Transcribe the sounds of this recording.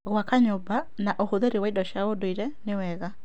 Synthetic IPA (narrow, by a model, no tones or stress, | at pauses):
ɣwakaɲoba | naʔohoðeɾewaidɔʃaodoiɾɛnewɛɣa